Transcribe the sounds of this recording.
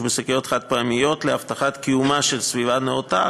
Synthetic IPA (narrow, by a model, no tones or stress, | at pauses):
besekejot̪χat̪̚paamijo̞t̪leaft̪aχat̪kiumaʃelsvivaneot̪a